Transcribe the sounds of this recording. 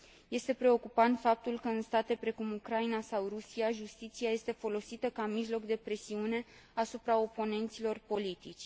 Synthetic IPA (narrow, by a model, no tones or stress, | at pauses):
je̞st̪e̞pɾe̞o̞kupant̪fap̚t̪ulkəɨnst̪at̪e̞pɾe̞kumukɾainasawrusiaʒust̪it̪siaje̞st̪e̞fo̞lo̞sit̪əkamiʒlo̞kd̪e̞pɾe̞siune̞ | asupɾao̞po̞ne̞nt̪silo̞rpo̞lit̪it͡ʃʲ